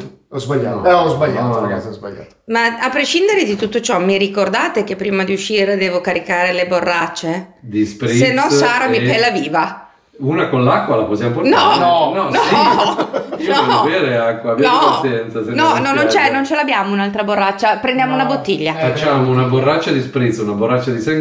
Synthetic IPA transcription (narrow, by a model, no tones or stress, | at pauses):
ɔzbaʎːa̰ːt̪ɛɔzbaʎːaaɡat̪sizba̰ʎːa̰ːt̪omaapːɾeʃind̪eɾed̪it̪ut̪ːot͡ʃɔmirikord̪aːt̪ek̟epːɾiːmad̪iuʃːiːɾed̪ɛːvokaɾikaːɾeleborːat͡ʃːed̪ispɾisenːɔsaːɾamipɛlːaviːva | uːnakonlakːwalaposjamopoɾnɔɔnɔnɔ | nɔvɛːɾeakːwaːbjnɔasjɛnt̪sasɛnɔnɔnnont͡ʃɛnont͡ʃelabːjaːmounalt̪ɾaborːat͡ʃːapɾend̪jaːmounabot̪ːiʎːafat͡ʃːaːmounaborːat͡ʃːad̪ispɾit̪sunaborːat͡ʃːad̪isɛ